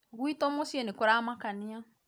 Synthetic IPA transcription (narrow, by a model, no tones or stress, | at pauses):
ɣwitɔmosiɛnekʊɾamakanɪa